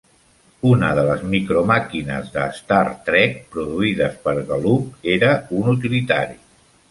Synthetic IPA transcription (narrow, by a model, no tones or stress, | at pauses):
unəðələzmikɾomakinə̰zðə̰ːst̪aɾt̪ɾɛk̚pɾuðuiðəspəɾɣəlup̚eɾəunut̪̬ilit̪aɾi